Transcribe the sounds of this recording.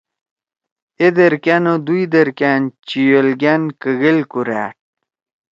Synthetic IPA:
ed̪eɾkanod̪ujd̪ɐɾkant͡ɕijolɡankəɣelkuɾa̰ːʈ̚

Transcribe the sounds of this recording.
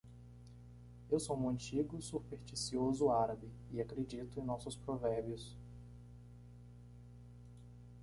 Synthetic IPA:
ewsomɐ̃nt͡ʃiɡʊsupeɾt͡ʃisiozʊaɾabi | ɪakɾed͡ʒit̪ʊẽj̃nɔsʊspɾovɛɾbjʊs

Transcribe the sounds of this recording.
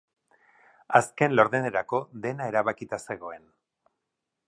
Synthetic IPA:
aske̞nlo̞ɾðeneɾako̞ðe̞nae̞ɾaβakit̪ase̞ɣ̞o̞e̞n

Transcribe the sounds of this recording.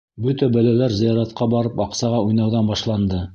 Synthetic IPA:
bɵt̪æbælælæɾzɘ̆jɑɾɑt̪̚qɑbɑɾɤpɑqsɑʁɑujnɑwðɑnbɑʃlˠɑnd̪ɤ

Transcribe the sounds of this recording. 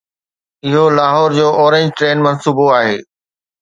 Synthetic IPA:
ɪɦolaːɦɔːɾd͡ʑoːʔɔːɾẽɲd͡ʑʈɾeːnmɐ̃nsuːboaːɦeː

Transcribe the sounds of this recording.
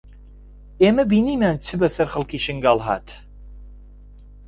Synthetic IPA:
eːmɐbiːniːmaːnt͡sʰɨbɐsɐɾxɨlˠkiːʃɨŋɡaːlˠɦa̰ːt̪

